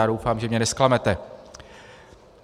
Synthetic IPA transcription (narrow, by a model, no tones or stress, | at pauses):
aːdowfaːmʒɛmɲɛnɛsklamɛt̪ɛ